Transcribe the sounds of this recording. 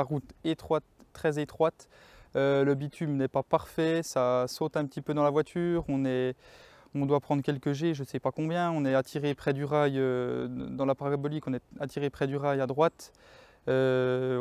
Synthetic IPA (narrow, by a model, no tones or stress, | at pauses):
aʁut̪et̪χwat̪ːχɛzet̪χwat̪ | øləbit̪ʰymnɛpapaʁfɛsasot̪ɛ̃pət̪ipød̪ɑ̃lavwat̪ʰyːʁɔ̃nɛ | ɔ̃d̪wapχɑ̃d̪ʁkʲɛlkəʒeʒəsɛpakɔ̃bjɛ̃ɔ̃nɛat̪ʰiʁepχɛd̪yʁajød̪ɑ̃lapaʁabɔlikɔ̃nɛat̪ʰiʁepχɛd̪yʁajad̪ʁwat̪ | ø